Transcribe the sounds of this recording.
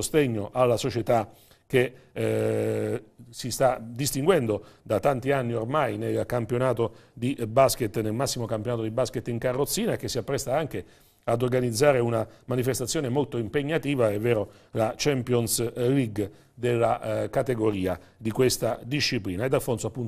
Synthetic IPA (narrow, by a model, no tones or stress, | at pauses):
ost̪eɲːoʔalːasot͡ʃet̪a | k̟e | sist̪ad̪ist̪iŋɡwɛnd̪od̪at̪ːant̪ianːiormajnelkampjonaːt̪od̪ibasket̪ːnelmasːimokampjonaːt̪od̪ibasket̪ːiŋkarːot̪sːiːnaek̟ːesːiapːɾɛst̪aaŋke | ad̪orɡanid̪zːaːɾeunamanifest̪at̪sːjoːnemolt̪oimpeɲːat̪iːvaɛvːɛːɾo | lat͡ʃɛmpjonsliɡ | d̪elːakat̪eɡoɾiːa | d̪ikwest̪ad̪iʃːipliːnaed̪ːalfonsoapːunt̪